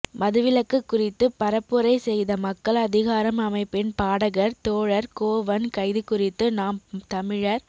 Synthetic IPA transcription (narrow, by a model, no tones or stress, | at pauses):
mɐðɯʋɪlɐkːɯkːʊrɪt̪ːɯpɐɾɐpːɯɾɐɪsɛjðɐmɐkːɐɭɐðɪɣaːɾɐmɐmɐɪpːɪnpaːɽɐɣɐɾt̪oːɻɐɾkoːʋɐnkɐɪðɯkʊrɪt̪ːɯnaːmt̪ɐmɪɻɐɾ